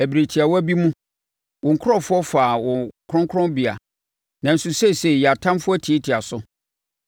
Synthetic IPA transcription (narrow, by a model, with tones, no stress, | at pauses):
æ˨bi˨ɾe˨tʰi˨a˨wɔ˦æ˦bi˦mũ˦ | wɔ̃˨ŋ̩˨kʰʊ˦ɾɔ˦˨fʊ˦ɔ˦fa˨wɔ̃˨kʰɔ̃˦ŋkʰɔ̃˦bi˨a̰˨ | nã˨n̩˨su˨sɛ˦˨se˨ja˨tʰã˦mfʊ˦ɔ˦tʰi˨e˦tʰi˨a˨sʊ˦